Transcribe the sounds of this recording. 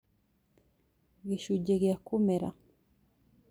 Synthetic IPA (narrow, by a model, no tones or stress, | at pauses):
ɡiʃuɟeɡjakomeɾa̰